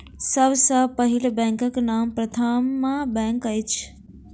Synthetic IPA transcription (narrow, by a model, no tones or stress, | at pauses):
səbsəpəɦilbɛ̃ŋkəknampɾət̪ʰamːãbɛ̃ŋkəjt͡ʃʰ